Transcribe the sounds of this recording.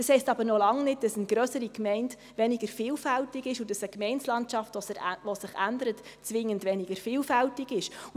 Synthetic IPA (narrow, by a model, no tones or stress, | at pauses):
d̥ɑshɛɪstɑbəɾnɔlɑŋnɪt̚d̥ɑsənɡ̥ɾœsəɾikmɛɪnd | ʋɛnɪɡ̥əɾfɪːlfæltɪɡɪʃʊdɑsəkmɛɪnslɑntt͡ʃɑftʋɔsɪχændəɾətt͡sʋɪŋːəndʋɛnɪɡ̥əɾfɪːlfæltɪɡɪʃ